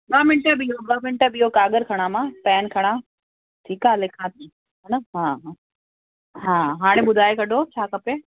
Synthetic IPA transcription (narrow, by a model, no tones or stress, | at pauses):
ɓɐɦmɪɳʈəbiɦoɓɐɦmɪɳʈəbiɦokaːɡəɾkʰɐɽ̃amãːpɛːnkʰɐɽ̃a | ʈʰiːkaːɦlɪkʰãt̪ʰiː | ɦɛnɐɦaːɦa | ɦãːɦaːɽ̃ẽɓʊd̪ʱaːekɐɗʱot͡ɕʰaːkɐpe